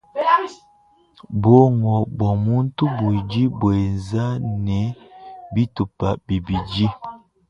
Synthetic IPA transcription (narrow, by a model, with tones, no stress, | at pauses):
bo˦ŋɔ˨bɔ˨mu˦n˦tu˦bu˨e˨d͡ʒi˦bwe˨nza˦nɛ˨bi˦tu˨pa˨bi˨bi˨d͡ʒi˦